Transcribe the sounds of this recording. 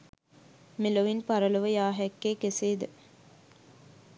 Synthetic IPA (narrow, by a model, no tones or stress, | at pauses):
meloʋinpaɾələʋəjaːɦɛkːeːkeseːd̪ə